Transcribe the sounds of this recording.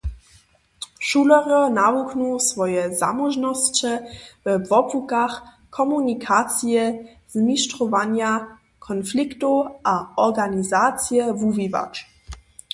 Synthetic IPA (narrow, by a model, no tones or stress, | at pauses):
ʃulɔʁənavuknusvɔjɛza̰mɔʒnɔst͡ɕɛvɛvɔpukax | kʰɔmunikʰat͡s̪jɛ | z̥miʃtʁɔvaɲja | kʰɔnfliktuʔaɔʁɡanizat͡sjɛvuviva̰t͡ʃ